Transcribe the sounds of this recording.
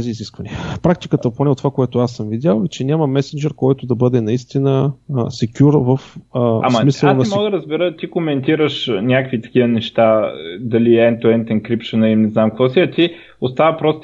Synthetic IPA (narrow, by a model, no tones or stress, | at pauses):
t̪ɛziːziskvɐniəpɾak̚t̪ikət̪əponɛot̪ːovakoɛt̪ʊasːəmvid̪ʲalˠɛt͡ʃɛnʲaməmɛsɛnd͡ʒɛɾkɔjt̪ʊd̪ɐbɤd̪ɛnɐist̪inəsɛkʲuɾvəfəammisəlˠnɐɛmɔɡd̪ɐɾɐzbɛɾət̪ikomɛnt̪iɾəʃnʲakkvit̪ɐ̥kʲivənɛʃt̪ad̪ɐliɛnt̪oɛnt̪ɛnkɾipʃonɐlimnɛznamkvɔsiɐt̪i | ost̪avəpɾɔst̪